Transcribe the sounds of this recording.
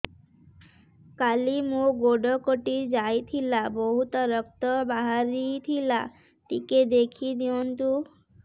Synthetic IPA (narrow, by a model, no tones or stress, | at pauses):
kalimoɡoɖokoʈid͡ʑajt̪ʰilaboɦut̪ɔɾɔk̚t̪ɔbaɦaɾit̪ʰila | ʈiked̪ekʰid̪iont̪u